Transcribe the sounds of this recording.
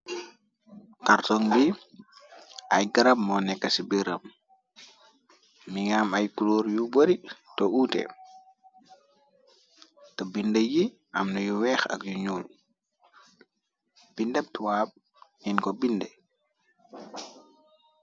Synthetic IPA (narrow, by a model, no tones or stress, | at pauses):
kaɾtɔŋbi | ʔa̰jɡaɾab̚mɔnɛkːasibiɾɐ̰m | iŋaːmajkuluːɾjubəɾitɔuːtɛ̰ | tɔbindəji | ʔa̰mnɔjuwɛxa̰kjuɲuːl | b̥indɛp̚tuwaːb̚ | ɲinkɔbindɛ